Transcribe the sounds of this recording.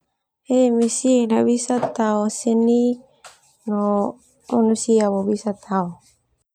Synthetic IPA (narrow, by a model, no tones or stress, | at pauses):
emesinaβisat̪aoseni | no | manusiabobisat̪ʰao